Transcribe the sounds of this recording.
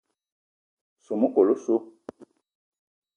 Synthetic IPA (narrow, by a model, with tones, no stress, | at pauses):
so˨mu˦ko˨lo˦so˦